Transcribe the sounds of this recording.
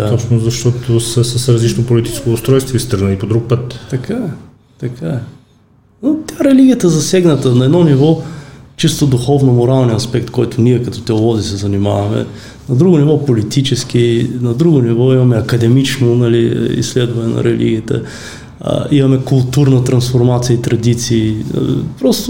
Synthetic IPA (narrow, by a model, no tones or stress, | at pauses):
d̪aɔpsnozɐʃt̪ɔt̪osɐsɐsɾɐzlit͡ʃnopolit̪i̥t͡ʃɛ̥skoʊst̪ɾɔjst̪voist̪əɾɡnəlipod̪ɾuk̚pət̪t̪ɐkaɛ | t̪ɐkʰaɛ | not̪ʲaɾɛliɡʲijət̪ɐzɐsɛɡnɐt̪ənɐɛd̪nɔnivɔt͡ʃist̪od̪ʊxɔvnomoɾalˠniɐspɛk̚t̪kɔjt̪ʊniɛkɐt̪ɔ̥t̪ɛolˠɔzisɛzɐnima̰vɐmɛ̰ | nɐd̪ɾuɡonivɔpolit̪it͡ʃɛsk̟inɐd̪ɾuɡonivɔimɐmɛɐkɐd̪ɛmit͡ʃnonɐlḭḭsːlɛd̪vɐnɛnɐ̰ɾɛlḭɡʲiːt̪ɛ̰ | imɐmɛkʊlˠt̪uɾnɐt̪ɾɐnsfoɾmat̪sijəit̪ɾɐd̪it̪sḭːpɾɔst̪ʊ